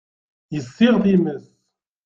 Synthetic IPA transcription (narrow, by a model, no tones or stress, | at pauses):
jəsːiʁðiməs